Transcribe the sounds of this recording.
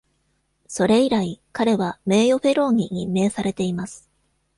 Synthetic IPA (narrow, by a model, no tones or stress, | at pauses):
so̞ɾe̞iɾaikaɾe̞βame̞ːjo̞ɸe̞ɾo̞ːɲ̟iɲ̟imːe̞ːsaɾe̞t̪e̞imasɨ̥